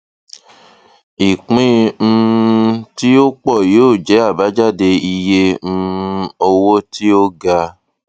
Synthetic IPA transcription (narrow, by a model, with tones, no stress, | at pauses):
i˨k͡pĩ˦m̩˧ | ti˦o˦k͡pɔ˦˨joː˦˨d͡ʒɛ˨˦a˦˨ba˨˦d͡ʒa˦˨de˧i˧je˦m̩˦o˧wo˦ti˦o˦ɡa˧